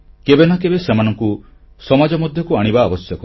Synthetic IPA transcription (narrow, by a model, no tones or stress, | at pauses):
kebenakebesemanɔŋku | sɔmad͡ʒɔmɔd̪ʱjɔkuaɽ̃ibaːbɔsjɔkɔ